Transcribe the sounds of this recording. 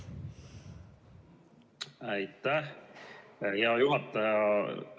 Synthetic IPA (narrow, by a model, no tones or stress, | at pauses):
æjt̪ːæh | jɑjuɦɑt̪ːˑɑjɑ